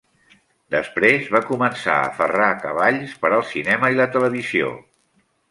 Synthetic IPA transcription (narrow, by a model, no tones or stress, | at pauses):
d̪əspɾezβakumənsa̰ə̰fərakəβaʎspəɾəlˠsinɛməilət̪ələβizio̰